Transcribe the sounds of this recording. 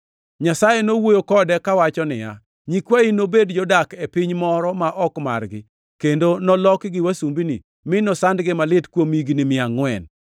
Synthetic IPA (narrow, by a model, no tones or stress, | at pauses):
ɲasajɛnowojokɔdɛkawat͡ʃɔnɪ̰ja̰ | ɲikwainobedd͡ʒɔdakepɪɲmɔɾɔmaʔɔkma̰rɡɪ̰ | kendonɔlɔkɡɪwasumbini | mɪnɔsandɡɪmalɪtkwomiɡnɪmɪaŋːwɛn